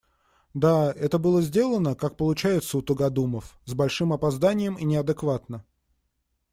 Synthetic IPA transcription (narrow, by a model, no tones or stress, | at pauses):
d̪aɛt̪əbɨlˠəzʲdʲe̞lˠənəkak̚pəlˠʊt͡ɕæjɪt̪səʊt̪əɡɐd̪uməfzbɐlʲʂɨmɐpɐzd̪anʲɪjəminʲɪɐd̪ɨkvat̪nə